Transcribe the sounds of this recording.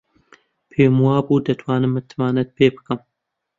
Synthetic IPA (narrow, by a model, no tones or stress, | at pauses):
pʰeːmuwaːbuːd̪ɐt̪ʰwaːnɨmːɨt̪ʰːmaːnɐt̪̚pʰeːbɨ̥kɨm